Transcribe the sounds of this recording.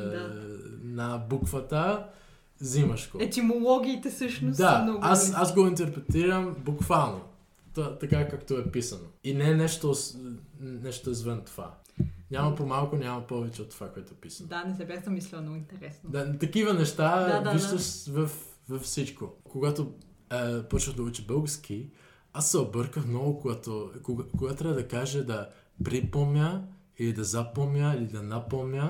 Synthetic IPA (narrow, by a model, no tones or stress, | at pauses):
anɐbukvət̪ə | zimɐʃkoɛt̪ʲimolˠɔɡʲiːt̪ɛsɤʃnʊsd̪anɔɡasazɡoint̪ɛɾpɾɛt̪iɾɐmbukvalˠno | t̪at̪ɐkakakt̪oɛpisɐnoinɛnɛʃt̪o | nɛʃt̪oɛzvɛnt̪ova̰ | ɲʲamɐpomalˠkʊnʲamɐpɔvɛt͡ʃɛot̪ːovakoɛt̪oʊpisəndanɛsɛbɛsd̪ɐmislʲənɔɡoint̪ɛɾɛsnd̪at̪ɐkivənɛʃt̪ait̪oʃvɐf | vɐfsit͡ʃkokoɡat̪o | poɾʃəxd̪ɐut͡ʃibəlˠɡəɾsk̟ʰi | asːɛobɤɾkəxmnɔvokoɡat̪ookoɡat̪ot̪ɾʲavəd̪ɐkaʒɛd̪ɐ | pɾipomnʲə | ilid̪ɐzɐpomnʲəilid̪ɐnapomʲə